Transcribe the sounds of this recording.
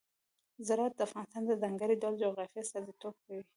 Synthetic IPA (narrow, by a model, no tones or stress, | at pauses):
zɪɾɑat̪̚d̪əafɣɑnɪst̪ɑnd̪əzaŋɡaɾidɑld͡ʒoɣɾɑfjasɑzit̪ob̚kawi